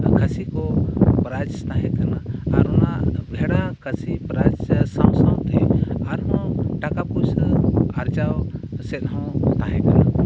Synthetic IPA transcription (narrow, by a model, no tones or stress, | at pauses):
kʰəsikɔpɾad͡ʒt̪aɦɛ̃kanaːɾɔnaʔbʱɛɽakʰəsipɾad͡ʒsãw̃sãw̃t̪ɛaɾɦɔ̃ʈakapusaɾt͡ʃawsɛt̪̚ɦɔ̃t̪aɦɛ̃kana